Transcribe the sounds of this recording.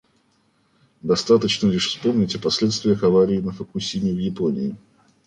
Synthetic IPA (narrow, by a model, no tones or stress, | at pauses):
d̪ɐst̪at̪ət͡ɕnəlʲɪʂfspo̞mnʲɪtʲəpɐsʲlʲet̪st̪vʲɪjəxɐvaɾʲɪːnəfəkusʲimʲɪvjɪponʲɪ̰ɪ